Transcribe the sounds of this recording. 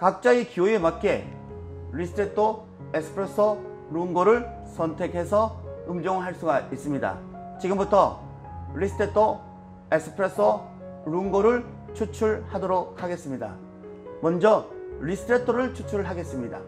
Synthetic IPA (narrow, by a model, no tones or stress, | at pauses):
kak̚t͡ɕ͈aikioemat̚k͈e | ɾisʰtʰetʰo | eksʰɯ̥pʰɾesʰʌ | ɾuŋɡoɾɯɭ | sʰʌntʰe̞khe̞sʰʌɯmd͡ʑoŋɦaɭs͈uɡais͈ɯmɲida̰ | t͡ɕiɡɯmbutʰʌ | ɾisʰtʰetʰo | eksʰɯ̥pʰɾes͈ʰʌ | ɾuŋɡoɾɯɭ | t͡ɕʰut͡ɕʰuɭhadoɾok̚haɡe̞s͈ɯmɲida̰ | mʌnd͡ʑʌɾisʰɯ̥tʰɾetʰoɾɯɭt͡ɕʰu̥t͡ɕʰuɭɦaɡe̞s͈ɯmɲida̰